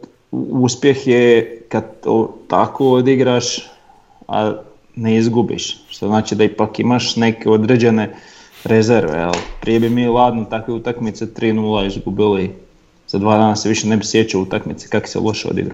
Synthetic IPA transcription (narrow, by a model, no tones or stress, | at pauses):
uspje̞xjekad̪ot̪akood̪iɡɾaːʃ | a̰ | neizɡubḭʃʃt̪oznaːt͡ʃid̪aipakimaʃne̞keo̞d̪ɾe̞ːd͡ʑe̞ne̞ | ɾezeɾʋḛjḛlpɾijebimiːlˠaːd̪not̪akʋeut̪akmit̪set̪ɾiːnuːlˠaizɡubili | z̥ad̪ʋaːd̪aːnaseʋiʃene̞bisje̞t͡ɕaut̪akmit̪se̥kaki̥sḛlˠʔo̞ʃeo̰d̪ḭɡɾa̰